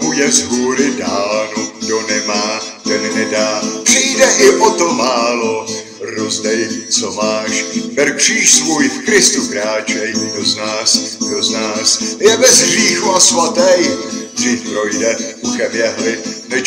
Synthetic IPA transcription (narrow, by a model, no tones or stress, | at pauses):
ʔujɛzɦuːɾɪdaːlnudonɛmaːt̪ɛnnɛdaːpr̝̥ɪjdɛʔɪʔot̪omaːlo | ɾozdɛjt͡somaːʃbɛɾkr̝̥iːʃsvuːjfkɾɪst̪ukɾaːt͡ʃɛjdoznaːsɡdoznaːsjɛbɛzɦriːxuasvat̪ɛjd̪r̝iːfpɾojdɛkuxɛmjɛɦlɪnɛ